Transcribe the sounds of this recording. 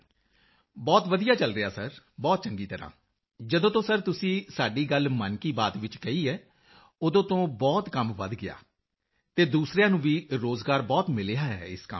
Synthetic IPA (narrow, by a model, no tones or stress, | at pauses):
bɔːt̪ʋəd̪ijaːt͡ʃəlɾɪjaːsəɾ | bɔːt̪̚t͡ʃəŋɡiːt̪əɾã̰ː | d͡ʒəd̪õːt̪õːsəɾt̪ʊsĩːsaːɖiːɡəlmənkiːbaːt̪ʋɪt͡ʃɡəiːɛː | od̪õːt̪õːbɔːt̪kəmʋə̰d̪ɡɪa̰ː | t̪eːd̪uːsɾjãːnũːʋiːɾoːzɡaːɾbɔːt̪mɪleːaːɦɛ̰ːɪ̰skə̰m